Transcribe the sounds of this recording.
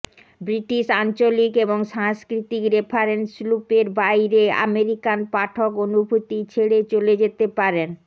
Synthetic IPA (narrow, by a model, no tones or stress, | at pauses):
bɾiʈiʃant͡ɕolikeboŋʃaŋskɾit̪ikɾepʰaɾenslupeɾbajɾea̰meɾikanpaʈʰokonubʱut̪it͡ɕʰeɽet͡ɕoled͡ʑet̪epaɾen